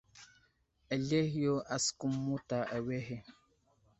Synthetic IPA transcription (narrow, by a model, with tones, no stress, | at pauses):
ə˨le˦hjo˦a˨sku˦mːu˦ta˨ʔə˨we˦ɦe˨